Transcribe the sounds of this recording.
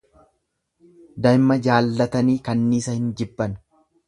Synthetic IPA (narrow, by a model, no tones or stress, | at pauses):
d̪ɐjmːɐd͡ʒaːlːɐt̪ɐniːkɐnːiːsɐhɪnd͡ʒɪbːɐn